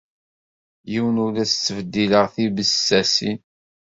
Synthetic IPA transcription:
jiwənuɾæst͡sːəvəd̪ːiləʁθibəssæsin

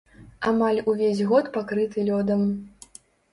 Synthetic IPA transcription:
amalʲuvʲezʲɣɔt̪pakɾɨt̪ɨlʲɔd̪ɐm

